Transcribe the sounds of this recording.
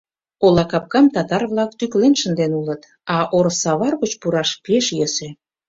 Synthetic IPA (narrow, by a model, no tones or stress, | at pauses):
olɑkɑp̚kɑmt̪ɑt̪ɑrβlɑk̚t̪yklenʃənd̪enulət̪ | ɑʔoɾsɑβɑrɣət͡ɕpuɾɑʃpeʃjəsĕ